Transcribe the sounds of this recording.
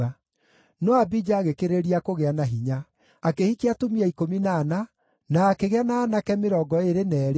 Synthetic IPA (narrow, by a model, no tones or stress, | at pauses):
a | nɔabid͡ʒaːɣekeɾeɾiakoɣeanaɦiɲaː | kehikeatomiaikominaːna | naːkeɣeanaːnakɛmeɾɔɡɔeɾenɛːɾ